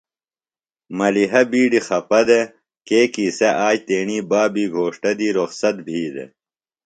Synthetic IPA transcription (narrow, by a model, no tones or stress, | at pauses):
mɐliɦɐbiːɖixɐpɐd̪e | keːkiːsɐʔaːd͡ʑt̪eːɳiːbaːbiːɡʱoːʂʈɐd̪iːɾoxsɐt̪̚bʱiːd̪ḛ